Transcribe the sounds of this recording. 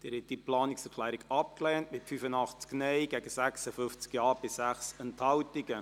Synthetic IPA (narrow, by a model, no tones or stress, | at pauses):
d̥̪ɪːɾhɛt̪̚d̥iplɑːnɪksɛɾkʰlæːɾiɡɑp̚klɛːntmɪtfyfənɑχt͡sknɛjɡ̥ɛɡəsæksəfʏft͡skjɑːɾb̥ɪsæχsɛnthɑwtɪɡə